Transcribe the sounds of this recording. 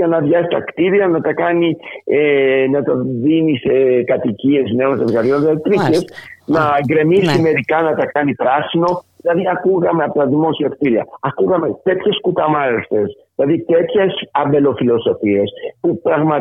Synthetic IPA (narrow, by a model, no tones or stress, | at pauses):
ɐnɐðʝɐsi̥t̪ɐkt̪iɾiɐnɐt̪ɐkɐnienɐt̪ɐðinisekɐt̪icie̞zne̞onsevɣɐðʝonst̪ɾice̞snɐɡɾe̞misime̞ɾikɐnɐt̪ɐkɐnipɾɐsino̞ðilɐðiɐkuɣɐme̞ɐpot̪ɐðimo̞siɐkt̪iɾiɐ̰ɐkuɣɐme̞t̪e̞t̪çe̞skut̪ɐmɐɾest̪e̞sðilɐðit̪e̞t̪çesɐbe̞lo̞filo̞so̞fie̞spupɾɐɣmɐ